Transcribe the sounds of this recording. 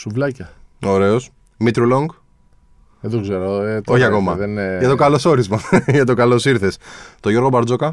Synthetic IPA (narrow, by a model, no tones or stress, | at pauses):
suvlɐcɐ | o̞ɾe̞o̞s | mit̪ɾuloŋɡ | eðoɡzeɾot̪o̞çiɐko̞mɐðenʝɐt̪okɐlo̞so̞ɾizmɐʝɐt̪̬o̞kɐlo̞siɾθest̪oʝo̞ɾɣo̞bɐɾd͡zo̞kɐ